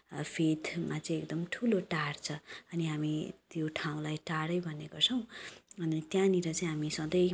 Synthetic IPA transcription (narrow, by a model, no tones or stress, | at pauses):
pʰet̪ʰmat͡sʌĩek̚d̪ʌmʈʰuloʈaɽt͡sʰʌʌniɦamit̪joʈʰaw̃lajʈaɽʌjbʱʌneɡʌrt͡sʰʌw̃ʌnit̪jãniɾʌt͡saĩɦamisʌ̃d̪ʌj